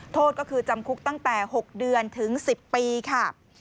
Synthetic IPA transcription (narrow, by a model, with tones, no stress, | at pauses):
t̪ʰoː˥˩t̪̚kɔ˥˩kʰɯː˧t͡ɕa˧mkʰu˦˥k̚t̪a˥˩ŋt̪ɛː˨˩ho˨˩k̚dɯ˧ənt̪ʰɯ˩˦ŋsi˨˩pːiː˧kʰa˥˩